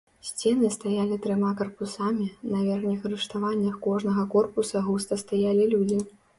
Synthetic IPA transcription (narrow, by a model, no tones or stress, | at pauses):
sʲt͡sʲɛnɨst̪ajalʲit̪ɾɨmakɐrpusamʲinɐvʲɛrxnʲixɐɾɨʂt̪avanʲːɐxkɔʐnɐɣɐkɔrpusɐɣust̪ɐst̪ajalʲilʲud͡zʲi